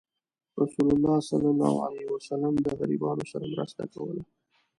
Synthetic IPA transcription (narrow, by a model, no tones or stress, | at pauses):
ɾasulʊlːɑsalɑlɑ̰wʕa̰lawasalamd̪əɣaɾibɑnosaɾamɾəst̪akawə̰la